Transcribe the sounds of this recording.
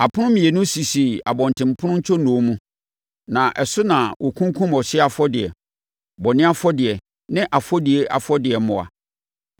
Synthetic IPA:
a˨pʰʊ˦ʊ̃˦mĩ˨e˨nʊ̃˦si˨si˨a̰˨bɔ̃˨n˨tʰɪ̃˨m̩˨pʰʊ˦ʊ̃˦ɲ̩˦t͡ɕʰɔ˦nũ˨˦mũ˦ | nã˨ʔɛ˨sʊ˦nã˨wʔɔ˨kʰũ˦ŋ˦kʰũ˦mɔ˨ɕɪ˦ɛ˦a˨fɔ˦dɪ˨ɛ̰˨ | bɔ˨nɪ̃˦a˦fɔ˦dɪ˨ɛ˨ | nɪ̃˦ʔa˨fɔ˦di˨e˨ʔa̰˨fɔ˦dɪ˨ɛ˨˦mʊ̃˨a̰˨

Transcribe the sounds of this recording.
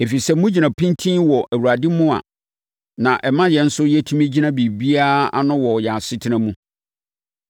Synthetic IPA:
e˨fi˨sɛ˦mũ˦d͡ʑi˨nã˨pʰĩ˦ntʰĩ˦nwɔ˨ʔæ˨wu˨ɾa˨dɪ̃˦mʊ̃˦a̰˨ | nã˨ʔɛ˨mã˦jɛ˨n̩˦sʊ˦jɛ˦tʰũ˦mĩ˦d͡ʑi˦nã˦bi˨bi˦a˦a˦nʊ̃˦wɔ˨jɛ˨a˨sɪ˦tʰɪ˦nã˦mũ˦

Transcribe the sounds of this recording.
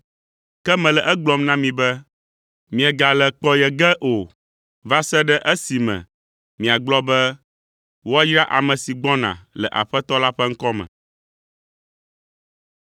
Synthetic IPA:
kɛ˦mɛ̃˨lɛ˨ʔɛ˦ɡ͡blɔ˨mnã˦mĩ˨bɛ˦ | mĩ˨ɛ˨ɡa˨lɛ˨k͡pɔ˦jɛ˨ɡɛ˦ʔo˨ | va˦sɛ˦ɖɛ˦ʔɛ˦si˨mɛ̰̃˨ | mĩ˨a˨ɡ͡blɔ˦bɛ˦ | wo˦a˦jɾa˦ʔa˨mɛ̃˨si˨ɡ͡bɔ˦nã̰˨lɛ˨ʔa̰˨ɸɛ˦t̪ɔ˦la˦ɸɛ˦ŋ̩˦kɔ˦mɛ̰̃˨

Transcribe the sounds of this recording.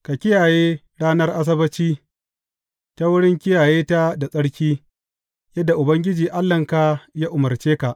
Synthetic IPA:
ka˨kʲɪ˦jaː˨jeː˦ | ɽaː˦nɐ˦rʔa˦s̬ɐ˦bɐ˦t͡ʃiː˦ | ta˦wʊ˦ɽɪ˦ŋkʲɪ˦jaː˨jeː˦ta˦da˨sʼɐ˦ɽkʲiː˦ | jɐ˦dːa˨ʔʊ˨bɐ˦ŋɡʲɪ˦d͡ʒiː˨ʔa˦lːɐ˨ŋka˨jaː˦ʔʊ˨mɐ˨rt͡ʃeː˦ka˨ʔ

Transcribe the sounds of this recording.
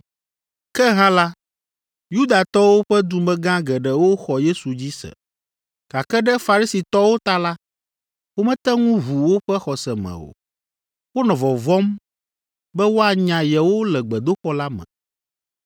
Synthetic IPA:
kɛ˦ɦã˦la˦ | ju˦d̪a˨t̪ɔ˦wo˦ɸɛ˦d̪u˨mɛ̃˦ɡã˦ɡɛ˨ɖɛ˨wo˦xɔ˨je˦su˨d͡ʑi˦sɛ̰˨ | ɡ̥a˨kɛ˦ɖɛ˦fa˨ɾi˦si˨t̪ɔ˦wo˦t̪a˦la˦ | wo˦mɛ̃˦t̪ɛ˦ŋũ˦βu˨wo˦ɸɛ˦xɔ˨sɛ˨mɛ̰̃˨o̰˨ | wo˦nɔ̃˨vɔ˨vɔ˦m | bɛ˦wo˦a˨ɲã˨jɛ˨wo˦lɛ˨ɡ͡bɛ˨d̪o˦ɸɔ˦la˦mɛ̰̃˨

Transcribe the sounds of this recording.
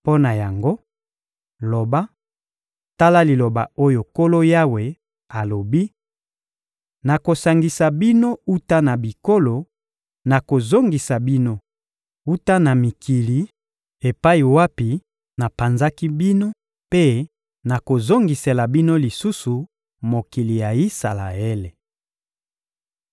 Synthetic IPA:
po˦na˨ja˨ŋɡo˦ | lo˨ba˦ | ta˦la˦li˨lo˨ba̰˨o˦jo˨ko˦lo˦ja˦we˨ | a˨lo˨bi˦ | na˨ko˨sa˨ŋɡi˨sa˨bi˦no˦u˦ta˦na˨bi˨ko˦lo˨ | na˨ko˨zo˦ŋɡi˨sa˨bi˦no˦ | u˦ta˦na˨mi˨kʰi˨li˨ | e˨pa˦i˨wa˦pi˨ | na˨pa˨nza˦ki˦bi˦no˦ | pe˦ | na˨ko˨zo˦ŋɡi˨se˨la˨bi˦no˦li˨su˦su˨ | mo˨ki˨li˨ja˨i˦sa˨la̰˨e˦le˨

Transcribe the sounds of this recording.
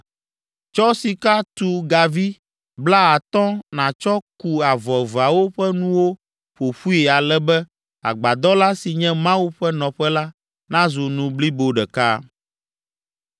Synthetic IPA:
t͡ʃɔ˦si˨ka˦t̪u˦ɡa˨vi˦ | bla˦a˨t̪ɔ̃˦nã˨t͡ʃɔ˦ku˨a˨vɔ˨va˨wo˦ɸɛ˦nũ˦wo˦ | ɸo˨ɸu˦i˨a˨lɛ˦bɛ˦ | a̰˨ɡ͡ba˨d̪ɔ˦la˦si˨ɲɛ̃˦mã˦wu˦ɸɛ˦nɔ̃˨ɸɛ˦la˦ | nã˦zu˨nũ˨bli˦bo˨ɖɛ˨ka̰˦

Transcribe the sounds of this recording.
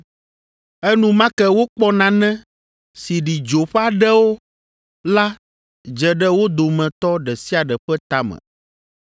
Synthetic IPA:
ɛ˦nũ˦mã˦kɛ˦wo˦k͡pɔ˦nã˨nɛ̃˦ | si˨ɖi˨d͡ʒo˨ɸa˦ɖɛ˦wo˦ | la˦ | d͡ʒɛ˨ɖɛ˦wo˦d̪o˨mɛ̃˨t̪ɔ˦ɖɛ˨si˦a˨ɖɛ˨ɸɛ˦t̪a˦mɛ̰̃˨

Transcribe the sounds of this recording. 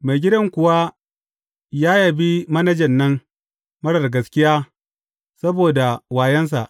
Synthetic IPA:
ma˨jɡʲɪ˦dɐ˦ŋkʷʊ˨wa˦ | jaː˦jɐ˨bi˦mɐ˦nɐ˦d͡ʒɐ˨nːɐ˦ŋ | mɐ˦ɽɐ˨rɡɐ˨skʲɪ˦jaː˦ | sɐ˦boː˨da˨waː˨jɛ˦ns̬a̰˨ʔ

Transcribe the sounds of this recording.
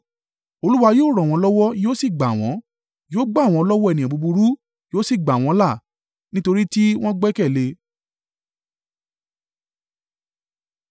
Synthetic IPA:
o˧lu˦wa˧joː˦˨ɾɔ̃˨w̃ɔ̃˧lɔ˦wɔ˦joː˦si˦˨ɡ͡ba˨w̃ɔ̃˨˦ | joː˦ɡ͡ba˦˨w̃ɔ̃˧ɔ˧lɔ˦wɔ˦ɛ˦˨nĩ˨bu˧bu˧ɾu˦ | joː˦si˦˨ɡ͡ba˨w̃ɔ̃˨˦la˦˨ | nĩ˦to˧ɾi˦ti˦w̃ɔ̃˦ɡ͡bɛ˦kɛ˦˨le˧

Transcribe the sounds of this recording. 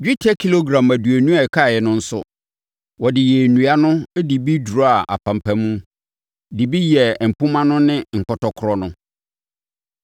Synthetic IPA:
d͡ʑᶣi˦tʰɛ˦kʰi˦lo˦ɡɾã˨mæ˨du˨æ˨nũ˦a˦˨kʰa˦˨jɛ˨nʊ̃˦n̩˦sʊ̰˦ | wɔ˨dɪ˨jɛ˨nũ˨a˦nʊ̃˦di˨bi˦du˨ɾa˨ʔa̰˨pʰã˨m˨pʰæ̃˨mũ˦ | di˨bi˦jɛ˨m̩˨pʰʊ̃˦mã˦nʊ̃˦nɪ̃˦ŋ̩˨kɔ˨tɔ˨kʰʊ˨ɾɔ˦nʊ̃˦

